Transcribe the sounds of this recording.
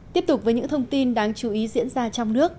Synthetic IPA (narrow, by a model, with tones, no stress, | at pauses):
t̪i˦˥əp̚t̪ʊ˨˩k͡p̚vəː˨˦ɲɨ̰˧˥ŋt̪ʰə˧wŋ͡mt̪i˧nɗaː˧ŋt͡ɕu˨˩˦ʔi˨˦zḭ˧˥ənzaː˧t͡ɕɔ˧wŋ͡mnɨ˦˥ək̚